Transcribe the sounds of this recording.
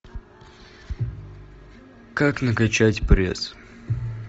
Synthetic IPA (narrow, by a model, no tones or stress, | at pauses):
kaknəkɐt͡ɕatʲpɾʲḛs